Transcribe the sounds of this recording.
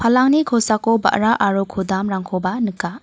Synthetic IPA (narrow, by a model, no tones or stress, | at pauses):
pʰalaŋnikʰɔsakoba̰ʔɾaʔaɾokʰudamɾaŋkʰɔbanɯka